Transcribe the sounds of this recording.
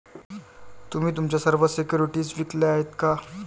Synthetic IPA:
t̪um̤iːt̪̬umt͡ɕjasəɾʋəsekjuɾiʈiːsʋikleaɦet̪ka

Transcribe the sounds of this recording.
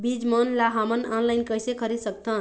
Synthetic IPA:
bid͡ʒmənlaɦamənanlajnkəɦsekʰəɾid̪sək̚t̪ʰən

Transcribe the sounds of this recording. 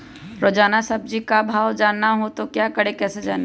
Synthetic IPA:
ɾoːd͡ʒaːnasɐb̚d͡ʒikabʱaːwd͡ʒaːnːaɦot̪okjaːkɐɽekɛːsed͡ʒaːn

